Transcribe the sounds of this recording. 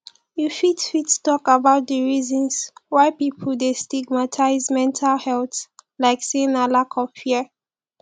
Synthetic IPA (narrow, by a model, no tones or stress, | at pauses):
jufitfittɔkabaʊt̚dəɹizɔ̃nswaɪpipʰəl̩destiɡ̚matʰaɪzmɛ̃ntʰalhɛlθlaɪksẽnalakʰɔvfiə